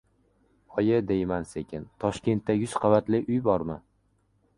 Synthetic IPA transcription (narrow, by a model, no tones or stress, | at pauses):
ɒjɪd̪ejmansekʲɪnt̪ʰɒʃkʲe̞nt̪ːajʲʊz̥qʰɑvat̪lɪʔʊjbɒɾma